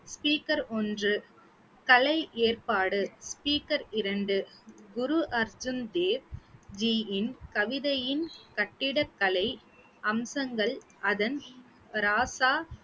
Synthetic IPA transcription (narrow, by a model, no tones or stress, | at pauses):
spiːkɐɾɔndrɯ | kɐlɐɪʔeːrpaːɽɯspiːkɐɾɪɾɐɳɖɯɡʊɾuʔɐɾd͡ʒɯnd̪eːʋd͡ʒiɪnkɐʋɪðɐjɪnkɐʈːɪɽɐkːɐlɐɪ | ʔɐmsɐŋɡɐɭʔɐðɐn | ɾaːsaː